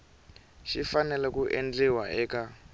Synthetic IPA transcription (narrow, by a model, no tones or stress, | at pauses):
ʃifanɛlɛkuʔend͡ɮɛwaɛka